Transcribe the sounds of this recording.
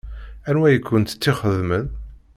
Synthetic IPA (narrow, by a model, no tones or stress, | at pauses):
ænwæjəkʰʷːʊnt̪ə̥t͡sːiχəðməð